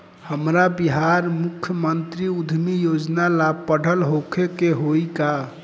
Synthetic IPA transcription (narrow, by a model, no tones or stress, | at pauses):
həmɾabiɦaɾmukʰːjəmənt̪ɾiud̪ʱmijod͡ʒnalab̚pəɽ̤ʱəlɦokʰekeɦoika